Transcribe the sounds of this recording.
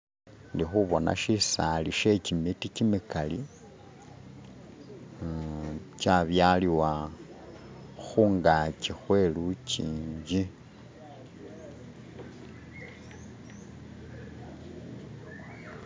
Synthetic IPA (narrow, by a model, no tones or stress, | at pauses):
ndixuβo̞nʔa̰ʃisaliʃe̞cimiticimikali | caβjaliwa | xuːŋɡacixwe̞luciːɲɟi